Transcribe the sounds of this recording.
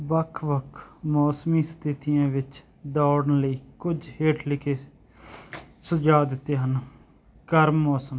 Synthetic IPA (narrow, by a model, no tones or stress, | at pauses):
ʋəkʰʋəkʰmɔːsmiːst̪ʰɪt̪ijãːʋɪt͡ʃ | d̪aːɽnləiːkʊd͡ʒɦeːʈʰlɪkʰeː | səd͡ʒaːd̪ɪt̪ːeːɦən | kəɾmːɔːsəm